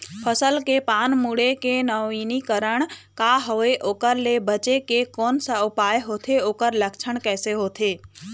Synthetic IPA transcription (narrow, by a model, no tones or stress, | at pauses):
pʰəsəlkepaːnmuɽekenəiːnikəɾəɽ̃kaːɦoeʔoːkəɾlebət͡ʃekekoːnsəʊpaːjɦoːt̪ʰeoːkəɾləkt͡ʃʰəɳ̃kɛːseɦoːt̪ʰeː